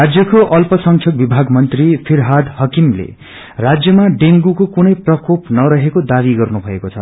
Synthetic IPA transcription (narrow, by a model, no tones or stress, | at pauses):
rad͡zjʌkoʔʌlpʌsʌŋkʰjʌk̚bibʱaɡmʌnt̪ripʰirɦad̪hʌkimlḛ | rad͡zjʌmaɖeŋɡukokunʌjprʌkopnʌɾʌɦekod̪aβiɡʌrnubʱʌekot͡sʰʌ̰